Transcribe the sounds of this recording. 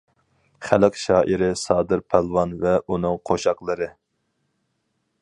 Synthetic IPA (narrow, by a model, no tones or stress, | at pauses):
χælɪqʃɑːʔiɾɪsɑːd̪ɨɾpʰælˠwɑnvɛʔunɨŋqʰoʃɑqlˠɨɾɨ